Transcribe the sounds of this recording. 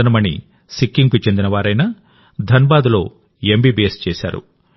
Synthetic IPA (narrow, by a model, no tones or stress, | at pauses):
ɐnɐmɐnḭ | sikːiŋɡkut͡ʃe̞nd̪inɐʋaːɾɐjnaː | d̪ʱɐnɐbaːd̪lo̞̰ː | embiːbijest͡ʃɛːsa̰ːɾṵ